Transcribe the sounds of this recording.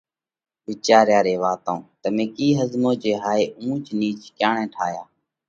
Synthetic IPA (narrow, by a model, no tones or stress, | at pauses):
ʋɪt͡ʃaːɾjaːɾeːʋaːt̪õːt̪əmẽːkiːɦəzmõːd͡ʒeːɦaːeːʔũːt͡ʃniːt͡ʃkjaːɳẽːʈʰaːjaː